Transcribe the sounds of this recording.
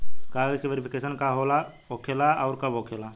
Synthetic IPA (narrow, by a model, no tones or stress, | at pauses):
kasʋeɾipʰikesənkaɦola | okʰelaʔaʊɾkabokʰela